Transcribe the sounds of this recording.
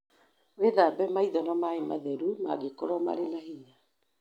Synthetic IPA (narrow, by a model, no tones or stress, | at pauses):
weðaːbɛmaiðɔnamaema̰ðɛɾuma̰ɡekɔɾɔma̰ɾenahiɲa